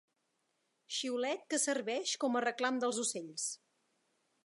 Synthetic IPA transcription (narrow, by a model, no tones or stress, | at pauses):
ʃiulɛt̪̚kəsərβɛʃkɔmərəklamd̪əlˠzuseʎs